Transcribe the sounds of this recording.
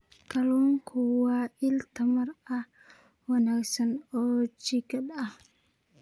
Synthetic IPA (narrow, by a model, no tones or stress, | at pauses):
kʰɐlɔːŋkʰʊwɑːʔɪlt̪ʰɐmɐrɐ | wɑnaːɡsɐnɔːt͡ʃɪkʰɐd̪ɐh